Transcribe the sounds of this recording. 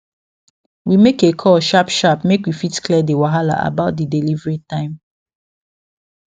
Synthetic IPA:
wimekekʰɔʃapʃapmekwifitkʰlɛdewaɦala̰ʔa̰baʊt̚didelivɹitãɪ̃m

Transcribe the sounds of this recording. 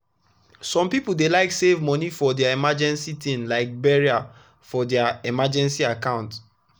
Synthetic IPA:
sɔ̃mpipuldelaɪksevmɔnifɔdɛaimad͡ʒɛ̃nsitʰĩnlaɪk̚bɛɹia | fɔdɛaimad͡ʒɛ̃nsiakãʊ̃nt

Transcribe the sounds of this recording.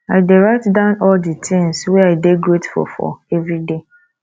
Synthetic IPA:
adeɹaɪtdãʊ̃nɔldətʰɪ̃ŋswɛaɪdeɡɹetfɔ̰fɔ̰ɛvɹide

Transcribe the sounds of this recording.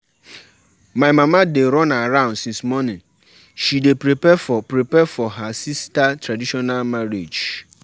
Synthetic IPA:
mãmãmãdeɾɔ̃nãaɾãʊ̃nsĩnsmɔnɪ̃n | ʃidepɾepɛfɔpɾepɛfɔɦasistatʰɾadiʃɔnalmaɾed͡ʒ

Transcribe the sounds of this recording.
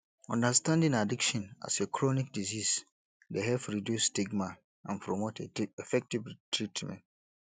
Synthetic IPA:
ɔ̃ndastãndĩŋadikʃɔ̃na̰sekʰɹɔnik̚dizis | deɦɛfɹidjusːtiɡma | ã̰npʰɹomotʰeefɛk̚tivtʰɹitʰmɛ̰̃nt

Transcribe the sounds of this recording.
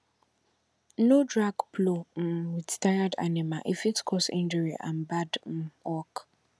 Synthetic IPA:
nodɹaɡpʰlom̩widtʰajada̰nɪ̃maʔefiktkʰɔsḭ̃nd͡ʒəɹiʔã̰nbadm̩wɔk

